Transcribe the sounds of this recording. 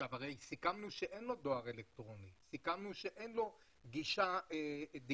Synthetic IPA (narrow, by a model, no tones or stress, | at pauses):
avaʁejsikamnuʃeʔe̞nlo̞d̪o̞aʁe̞lek̚t̪ʁo̞nisikamnuʃe̞ʔe̞nlo̞ | ɡiʃaed̪i